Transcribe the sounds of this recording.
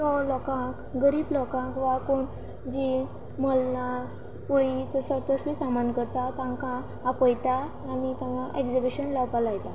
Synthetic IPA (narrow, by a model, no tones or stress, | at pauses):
tɔlɔkãkɡəɾiːblɔkãkʋakoɳ | d͡ʑi | məlna | puɭit̪əsət̪əslisamankəɾt̪at̪ãŋkãː | pəjt̪aː | nit̪ãŋkaʔeɡd͡zebiɕənlaʋpalajt̪a